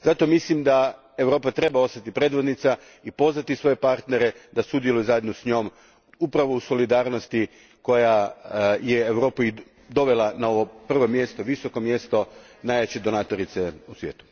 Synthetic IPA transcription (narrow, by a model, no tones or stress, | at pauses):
zat̪o̞mislimd̪a | e̞ʋɾo̞ːpat̪ɾe̞bao̞st̪at̪ipɾe̞d̪ʋod̪nit̪sa | ipo̞zʋat̪isʋo̞je̞paɾt̪ne̞ɾe̞d̪asud̪jelujuzajed̪nosɲo̞m | upɾaʋo̞uso̞lid̪aːɾnost̪i | ko̞ja | jeːʋɾo̞ːpui | d̪o̞ʋe̞lˠanao̞ʋo̞pr̩ʋo̞mje̞st̪oʋiso̞ko̞mje̞st̪o̞ | naːjʋet͡ɕed̪o̞naːt̪o̞ɾit̪seusʋjeːt̪u̥